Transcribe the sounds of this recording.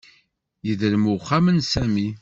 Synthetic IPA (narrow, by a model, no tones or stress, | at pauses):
jəðəɾmʊχːamənsæmi